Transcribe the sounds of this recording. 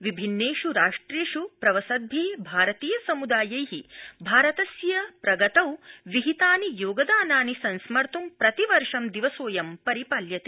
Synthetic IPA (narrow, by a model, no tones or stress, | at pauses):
ʋibʱinːeːʂuɾaːʂʈɾeːʂupɾɐʋɐsɐd̪ʱibʱaːɾɐt̪iːjɐsɐmud̪aːjɐjɦibʱaːɾɐt̪ɐsjɐpɾɐɡɐt̪ɐwʋiɦit̪aːnijoːɡɐd̪aːnaːnisɐnsmɐɾt̪umpɾɐt̪iʋɐɾʂɐmd̪iʋɐsoːjɐmpɐɾipaːljɐt̪e̥